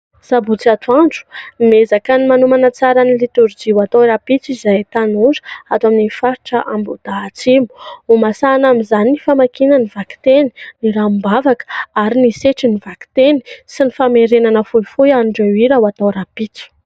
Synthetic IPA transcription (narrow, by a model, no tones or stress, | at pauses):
z̥abut͡siat̪ʰuaɳɖ͡ʐu̥mezakənimanumanət͡saɾənilit̪uɾd͡ʒiwat̪awɾapit͡sizajt̪anuzə̥at̪waminifaɾiʈ͡ʂəʔambud̪̥at͡simu̥umasanamizaniifamakinaniv̥aki̥t̪eniniɾambavakə̥aɾiniseʈ͡ʂiniv̥aki̥t̪eni̥sinifameɾenanəfujfujanɖ͡ʐawiɾawat̪awɾapit͡si̥